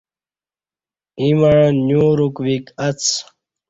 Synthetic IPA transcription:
imaɻ̃njuːɾukwikɐt͡sʰ

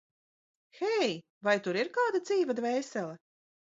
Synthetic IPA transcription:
xɛj | vajt̪uɾiɾkaːd̪ad̪ziːvad̪vɛːsɛlˠɛ

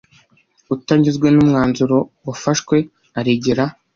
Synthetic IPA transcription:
utaɲɟizɡwe̞numŋaːnzuɾo̞wafaʃkwe̞ | aɾiɟiɾa

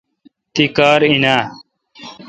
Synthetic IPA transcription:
t̪ikaːɾinaː

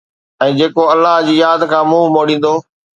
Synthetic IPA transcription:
ɛ̃ːd͡ʑeːkoɐlːaɦd͡ʑiːjaːd̪kʰãːmũːmoːɗĩːn̆d̪oː

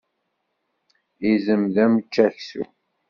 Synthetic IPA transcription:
izəmðæmt͡ʃːæçsṵ

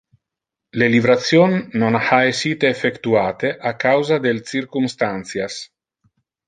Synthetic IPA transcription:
lelivɾat̪sjonːonhaesiːt̪eːfekt̪uaːt̪eʔakawzad̪elt͡sirkumst̪ant̪sjas

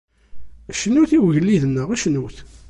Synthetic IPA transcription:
ʃənːuθiwʝəlːiðnːəʁæʃnuθ

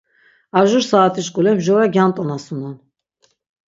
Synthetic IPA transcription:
aʒuɾsaːt̪ʰiʃkʼulɛmʒɔvɛɡjant̪ʼɔnasunɔn

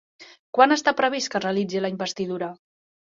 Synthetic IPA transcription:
kwanəst̪apɾəβ̞iskərəlid͡ziləimbəst̪iðuɾə

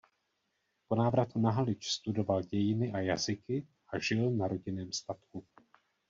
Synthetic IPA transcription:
po̞naːvɾat̪unaɦalɪt͡ʃst̪udo̞valɟɛjɪnɪʔajazɪkɪ | ʔaʒɪlnaɾo̞ɟɪnɛːmst̪at̪ku

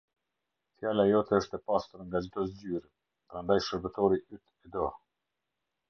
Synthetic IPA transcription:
θjalajɔt̪ɛəʃt̪ɛpast̪uɾŋɡad͡ʒit̪ɔs̬d͡ʑyɾɛ | pəɾand̪ajʃəɾbət̪ɔɾiʔyt̪ɛd̪ɔ

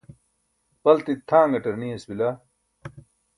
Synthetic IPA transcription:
bɐlt̪it̪ʰːãːŋɡɐʈɐɾniɐsbila

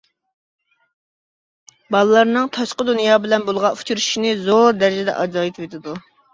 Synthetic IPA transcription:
bɑlˠɨlˠɑɾnɨŋt̪ʰɑʃqəd̪unjɑːbɪlɛnbolˠʁɑu̥t͡ʃʰuɾuʃʃinɪzoɾd̪ɛɾɪd͡ʒɪd̪ɛ̰ʔɑd͡ʒɑːjit̪vet̪ʰɪd̪u

